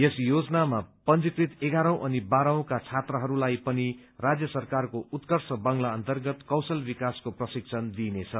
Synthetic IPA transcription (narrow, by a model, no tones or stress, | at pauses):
jesjod͡zʌnamapʌnd͡zikrit̪eɡaɾʌ̃w̃ʔʌnibaɾʌ̃w̃kat͡sʰat̪rʌɦʌɾulajpʌni | rad͡zjʌsʌrkarkout̪kʌrsʌbʌŋlaʌnt̪ʌrɡʌt̪kʌwsʌlbikaskoprʌsik̚t͡sʰʌnd̪inet͡sʰʌ